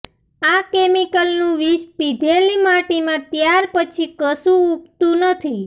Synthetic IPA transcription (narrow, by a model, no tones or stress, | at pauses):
akemikəlnũʋispid̪ʱelimaʈimãt̪jaɾpət͡ʃʰikəsũuk̚t̪ũnət̪ʰi